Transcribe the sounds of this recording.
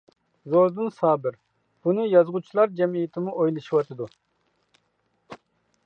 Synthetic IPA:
zoɾd̪ɨnsɑːbɪɾ | b̥unɨjɑzʁut͡ʃʰilˠɑɾd͡ʒɛmijit̪ʰɪmuʔojlˠɨʃiwɑt̪ʰɨd̪u

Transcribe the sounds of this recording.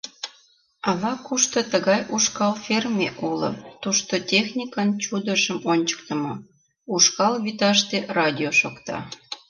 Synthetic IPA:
ɑlɑkuʃt̪ot̪əɣɑjuʃkɑlfermʲeʔulə̰t̪uʃt̪otʲexnʲikənt͡ɕud̪əʃəmonʲt͡ɕə̥k̚t̪ə̆mo | uʃkɑlβit̪ɑʃt̪erɑdʲioʃokt̪ɑ̰

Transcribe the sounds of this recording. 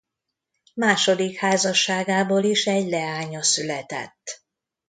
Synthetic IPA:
maːʃo̞d̪ikhaːzɒʃːaːɡaːboːliʃɛɟlɛaːɲɒsylɛt̪ɛ̰t̪ː

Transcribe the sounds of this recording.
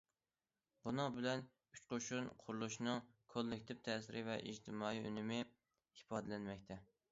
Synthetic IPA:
bunɨŋbɪlɛn | yt͡ʃqoʃunqʰʊɾlˠuʃnɨŋkʰolːɪkʲt̪ʰɪp̚t̪ʰɛːsɪɾʔɪvɛʔḭd͡ʒt̪ʰɪmɑːiy̰nɪmɪ | hipɑːd̪ɛlɛnmɛkʲt̪ʰɛ

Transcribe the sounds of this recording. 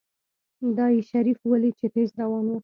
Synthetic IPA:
d̪ɑjeʃaɾifwəlit͡ʃet̪ezɾawɑnwə

